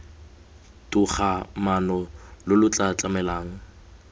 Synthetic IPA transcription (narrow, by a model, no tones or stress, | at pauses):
tʼʊχamanɔlʊlʊt͡ɬʼat͡ɬʼamɛlaːŋ̩